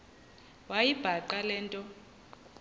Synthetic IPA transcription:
wajib̥ʱaǃalɛːntʼɔ

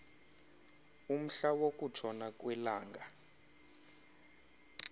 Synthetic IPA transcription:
um̩ɬawokʼutʰɔnakʼwɛlaːŋɡʱa

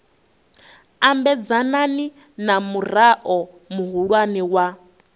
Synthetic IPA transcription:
ambɛd͡zanani | namuraʔɔ | muɦuɺwaniwa

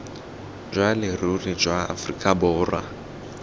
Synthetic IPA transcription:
d͡ʒʷwalɪrurid͡ʒwaa̰frikʼabɔːrwa̰

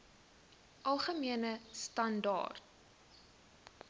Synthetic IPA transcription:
ʔɐlˠχəmiənəstɐndɑ̰ːrt̚

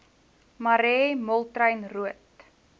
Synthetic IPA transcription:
mɐɾɛːmɔlˠtrəjnruət

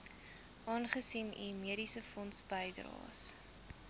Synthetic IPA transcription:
ʔɑːnχəsinḭmiəɾisəfɔnsbəjdrɑ̰ːs

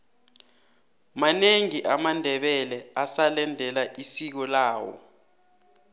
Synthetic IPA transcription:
maneŋiʔamandʱɛɓɛlɛasalɛndʱɛlaʔisik̬ɔlaːwɔ̰

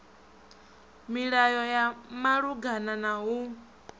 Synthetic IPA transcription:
miɺajɔjamaɺuɡananaɦu

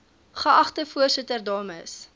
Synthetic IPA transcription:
χəɐχtəfuərsətərdɑːməs

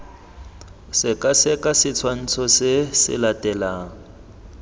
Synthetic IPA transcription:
sɪkʼasɪkʼasɪt͡sʰwan̩t͡sʰɔsɪsɪ̰latʼɛlaːŋ̩

